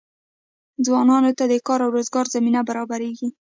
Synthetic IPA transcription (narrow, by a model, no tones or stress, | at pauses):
d͡zwɑnɑnot̪ad̪əkɑɾawɾozɡɑɾzaminabaɾɑbaɾeɡi